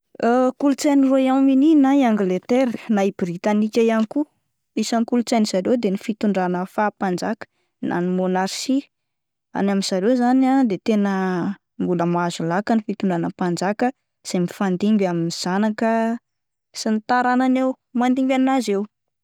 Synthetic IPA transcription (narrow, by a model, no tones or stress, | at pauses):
əkulut͡saniroiamininaiaŋɡlet̪eɾnaibɾit̪anikʲajaniku | isanikulut͡saniz̥aɾewd̪enifit̪uɳɖ͡ʐanəfaːpand͡zakə̥ | nʔa̰nimonaɾʃi | a̰naminz̥aɾewzanad̪et̪enə | mbuləmazulakənifit̪uɳɖ͡ʐanəpand͡zakə | z̥emifand̪imbaminiz̥anakə | sinit̪aɾananew | mand̪imbʲaniazew